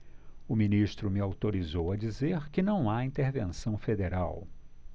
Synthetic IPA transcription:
ʊmĩniʃt̪ɾʊmɪawt̪oɾizowɐd͡ʒizeɾkɪnɐ̃w̃aĩnt̪eɾvḛ̃sɐ̃w̃fed̪eɾaw

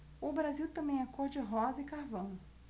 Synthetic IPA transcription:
ʊbɾaziwt̪ɐ̃mẽj̃akɔɾd͡ʒɪɦɔzɐɪkaɾvɐ̃w̃

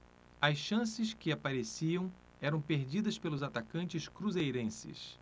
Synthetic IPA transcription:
ɐsʃɐ̃sɪskɪapaɾesiɐ̃w̃ | ɛɾɐ̃w̃peɾd͡ʒid̪ɐspelʊzat̪akɐ̃nt͡ʃɪskɾuzejɾẽsɪ̰s

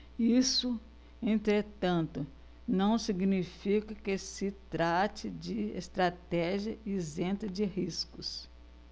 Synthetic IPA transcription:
isʊ | ẽnt̪ɾet̪ɐ̃nt̪ʊ | nɐ̃w̃siɡnifikɐkɪsɪt̪ɾat͡ʃɪd͡ʒɪḛst̪ɾat̪ɛʒiɐizẽnt̪ɐd͡ʒɪhiskʊs

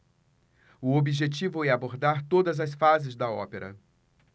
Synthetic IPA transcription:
ʊobiʒet͡ʃivʊɛaboɾd̪aɾt̪od̪ɐzɐsfazɪzd̪ɐɔ̰peɾʔɐ̰

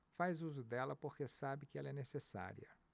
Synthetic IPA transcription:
fajzuzʊd̪ɛlɐpoɾkesabɪkɪɛlɐɛnesesa̰ɾḭɐ̰

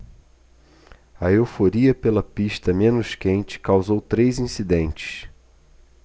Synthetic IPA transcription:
ɐewfoɾiɐpelɐpiʃt̪ɐmẽnʊʃkẽnt͡ʃɪ̥kawzowt̪ɾejzĩsid̪ẽnt͡ʃɪ̥s

